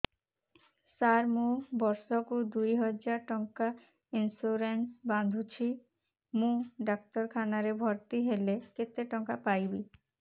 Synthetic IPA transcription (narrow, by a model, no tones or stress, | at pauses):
saɾmubɔɾsokud̪ujɦɔd͡ʑaɾʈɔŋka | insuɾenʈband̪ʱut͡ɕʰi | mũɖak̚t̪ɔɾkʰanaɾebʱɔɾt̪iɦeleket̪ːeʈɔŋkapajbi